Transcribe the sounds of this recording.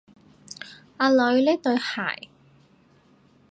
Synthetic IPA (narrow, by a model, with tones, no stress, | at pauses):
aː˧lɵ˨˧ɥlɛː˥t̪ɵ˧ɥha̰ː˨˩j